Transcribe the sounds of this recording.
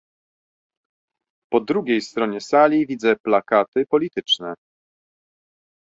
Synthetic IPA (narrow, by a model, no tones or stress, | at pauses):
pɔd̪ɾuɡʲejst̪ɾɔɲɛsalʲivʲid̪zɛplakat̪ɘpɔlʲit̪ɘt͡ʂnɛ